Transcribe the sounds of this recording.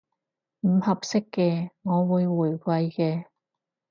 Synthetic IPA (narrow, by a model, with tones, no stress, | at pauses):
m̩˨˩hɐ˨p̚sɪ˥kːɛː˧ŋɔː˨˧wuː˨˧jwuː˨˩jkʷɐ˧jkɛː˧